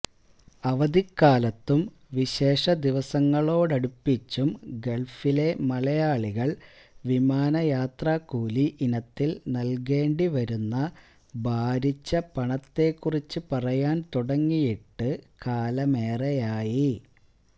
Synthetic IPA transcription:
ɐʋɐd̪ikːaːlɐt̪ːum | ʋiɕe̞ːʂɐd̪iʋɐsɐŋːɐɭo̞ːɽɐɽupːit͡ɕːumɡe̞ɭfile̞mɐlɐjaːɭiɣɐɭ | ʋimaːnɐjaːt̪raːkuːliʔinɐt̪ːilnɐlk̬e̞ːɳɖiʋɐɾunːɐ | bʱaːɾit͡ɕːɐpɐɳɐt̪ːe̞kːurit͡ɕːɨpɐrɐjaːnt̪uɽɐŋːijiʈːɨkaːlɐme̞ːrɐjaːji

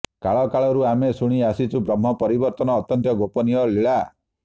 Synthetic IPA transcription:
kaɭɔkaɭɔɾuamesuɽ̃iasit͡ʃʰubɾɔm̤ːɔpɔɾibɔɾt̪ɔnɔːt̪jɔnt̪jɔɡopɔnijɔliɭa

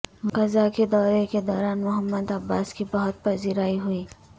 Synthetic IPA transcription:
kɐzaked̪ɔːɾeked̪ɔːɾaːnmʊɦəmːəd̪ɐbːaːskibɐɦʊt̪̚pɐziːɾaːiɦʊiː

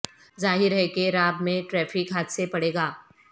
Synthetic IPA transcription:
zaːɦɪɾɦekeɾaːbmẽʈɾɛːfɪkɦaːt̪sepɐɽeːɡaː

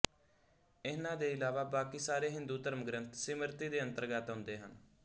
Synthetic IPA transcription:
ɪnãːd̪eːɪlaːʋaːbaːkiːsaːɾeːɦɪnd̪uːt̪əɾməɡɾənt̪sɪməɾt̪iːd̪eːənt̪əɾɡəːt̪ɦʊ̃nd̪eːɦən

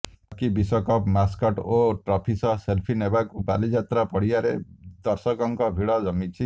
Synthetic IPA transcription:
kibisɔkɔpmaskɔʈoʈɾɔpʰisɔselpʰinebakubalid͡ʒat̪ɾapɔɽiaɾed̪ɔɾsɔkɔŋkɔbʱiɽɔd͡ʒɔmit͡ʃʰi

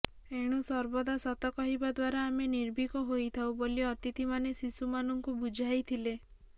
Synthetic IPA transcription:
eɽ̃usɔɾbɔd̪asɔt̪ɔkɔɦibad̪waɾaːmeniɾbʱikɔɦojt̪ʰawboliɔt̪it̪imanesisumanɔŋkubud͡ʒʱajt̪ʰile

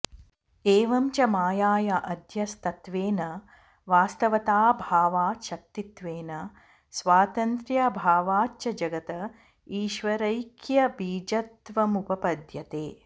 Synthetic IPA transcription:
eːʋɐmt͡ʃɐmaːjaːjɐʔɐd̪ʱjɐst̪ɐt̪ʋeːnɐ | ʋaːst̪ɐʋɐt̪aːbʱaːʋaːʃɐk̚t̪it̪ʋeːnɐ | sʋaːt̪ɐnt̪ɾjabʱaːʋaːt͡ʃɐd͡ʒɐɡɐt̪ɐ | iːʃʋɐɾɐjkjɐbiːd͡ʒɐt̪ʋɐmupɐpɐd̪jɐt̪eː

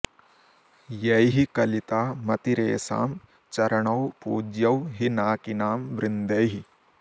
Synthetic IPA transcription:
jɐjɦikɐlit̪aːmɐt̪iɾeːsa̰ːm | t͡ʃɐɾɐɳɐwpuːd͡ʒjɐwɦinaːkinaːmʋɾɪnd̪ɐjɦi

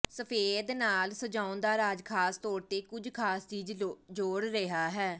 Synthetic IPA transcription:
səpʰeːd̪naːlsəd͡ʒaːʊnd̪aːɾaːd͡ʒkʰaːst̪ɔːɾt̪eːkʊd͡ʒkʰaːst͡ʃiːd͡ʒd͡ʒoːɽɾɪɦaːɦɛː

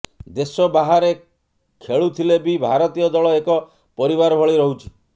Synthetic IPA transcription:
d̪esɔbaɦaɾe | kʰeɭut̪ʰilebibʱaɾɔt̪ijɔd̪ɔɭɔekɔ | pɔɾibaɾɔbʱɔɭiɾɔɦut͡ʃʰi̥

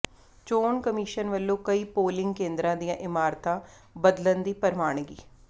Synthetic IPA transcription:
t͡ʃoːɳkəmiːʃənʋəlːõːkəiːpoːlɪŋɡkẽːnd̪ɾãːd̪ijãːʔɪmaːɾt̪ãː | bəd̪lənd̪iːpəɾmaːɳɡḭː

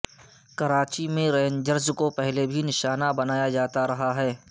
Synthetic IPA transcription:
kɐɾaːt͡ʃimẽɾɛːnd͡ʒəɾzkopɛɦlebʱinɪʃaːnabɐnaːjad͡ʒaːt̪aɾɐɦaɦɛː

